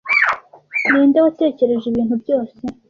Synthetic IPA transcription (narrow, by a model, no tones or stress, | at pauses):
neːndewate̞ːce̞ɾe̞ʒiβiːnhubjo̞ːse